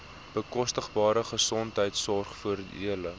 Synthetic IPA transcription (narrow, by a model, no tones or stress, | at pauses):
b̥əkɔstəχbɑːɾəχəsɔntɦəjtsɔrχfuərdiʔiələ